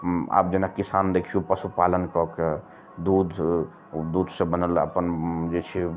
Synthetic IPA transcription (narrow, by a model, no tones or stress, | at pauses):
a̰ːp̚d͡ʒenakisand̪ekʰiupəsupalənkɔke | d̪ud̪ʱ | d̪ud̪ʱsẽbənələ̰pənd͡ʒet͡ʃʰi